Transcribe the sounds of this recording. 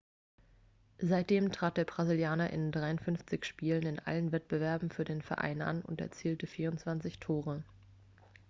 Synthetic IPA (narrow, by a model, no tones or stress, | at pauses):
zaɪt̚d̥eːmtʁ̥aːt̚d̥eːɐbʁ̥aziljaːnɐʔɪ̰ndʁaɪʊntfʏnft͡sɪçʃpiːlənɪnʔa̰lənvɛt̚b̥əvɛɐbm̩fyːɐdeːnfɛɐʔa̰ɪnʔa̰nʊ̰ntɛ̰ɐt͡siːltəfiːɐʊnt͡sv̥ant͡sɪçtʰoːʁə